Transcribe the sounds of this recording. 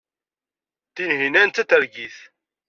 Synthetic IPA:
θinɦinænt̪ːæt̪əɾɡiθ

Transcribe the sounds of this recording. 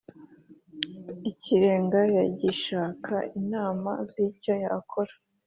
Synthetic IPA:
iciɾe̞ːŋɡajaɟiʃaːkʰa̰inaːma̰zico̞jakʰoɾḁ

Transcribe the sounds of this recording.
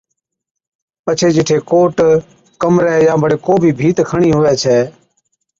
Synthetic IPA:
pət͡ʃʰeːd͡ʒɪʈʰeːkoːʈ | kəmɾɛːjãːbʱəɽeːkoːbʱiːbʱiːt̪kʰəɳiːɦʊʋɛːt͡ʃʰɛː

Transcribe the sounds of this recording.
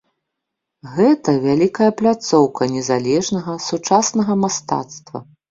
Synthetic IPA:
ɣɛt̪ɐvʲalʲikɐjɐplʲat̪sɔwkʰɐnʲɛzalʲɛʐnɐɣɐsut͡ʂasnɐɣɐmast̪a̰t̪st̪vɐ̰

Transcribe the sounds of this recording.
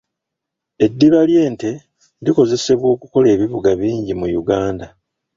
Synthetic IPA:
e̞dːiβalje̞ːnte̞ | diko̞ze̞se̞βwo̞ːkuko̞le̞ːβiβuɡaβiːɲɟimujuɡaːnda

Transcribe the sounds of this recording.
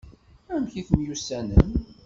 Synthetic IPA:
æmçiθəmjusænəm

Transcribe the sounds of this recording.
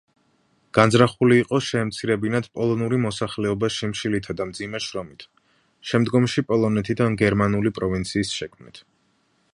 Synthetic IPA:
ɡ̥anzɾaχuliːqʼɔʃɛːmt̪sʰiɾɛbinad̪̥pʼɔlˠɔnuɾimɔsaχlɛɔbaʃimʃilit̪ʰad̪amd̪zimɛʃɾɔmit̪ʰ | ʃɛmd̪ɡɔmʃipʼɔlˠɔnɛt̪ʰid̪anɡɛɾmanulipʼɾɔvint̪sʰiːsʃɛkʰmnḭt̪ʰ

